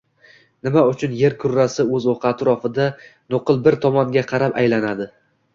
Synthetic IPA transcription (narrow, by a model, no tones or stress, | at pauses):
nɪmaʊt͡ʃʰʊnje̞ɾkʰʊɾːasɪɵzoqʰɑːt̪ʰɾɒfɪd̪anoqɨlˠbɪɾt̪ʰɒmɒŋɡʲaqʰɑɾapajlanad̪ɪ